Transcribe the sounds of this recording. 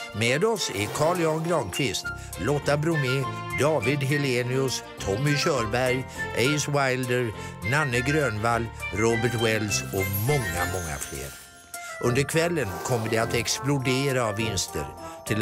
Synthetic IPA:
meːd̪ɔsækʰɑːɭjɑnɡɾɑːŋkʰvɪst̪ | lɔt̪ːabɾɵmɪd̪ɑːvɪd̪ɦɪleːnɪɵst̪ʰɔmːɪɕœːɾbæɾjʔɛjswajld̪əɾnanːəɡɾøːnvalɾoːbəʈwɛlsɔmɔŋːa̰mɔŋːa̰flḛːɾ | ʔɵnd̪əɾkʰvɛlːənkʰɔmːəɖɛat̪ɛksplʊd̪eːɾaːvːɪnst̪ə̰ɾt̪ʰɪl

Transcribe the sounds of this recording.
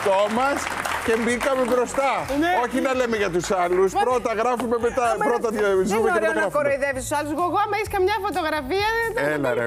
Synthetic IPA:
t̪omɐscembikɐmebɾost̪ɐoçinɐlemeʝɐt̪̬usɐluspɾot̪ɐɣɾafumemet̪ɐpɾot̪ɐzumeɾoɐɐɾɾɐfkoɾojðevisusaluzɣoɣoɐmɐiskɐmɲɐfot̪oɣɾɐfiɐt̪ɐelɐḛ

